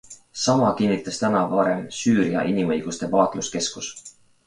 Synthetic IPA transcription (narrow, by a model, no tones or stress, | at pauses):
sɑmɑkinːit̪ˑːɑst̪ænɑvɑɾe̞msyːɾiɑ̰ʔinimɤjɡ̥ust̪e̞pɑːt̪ˑluske̞skus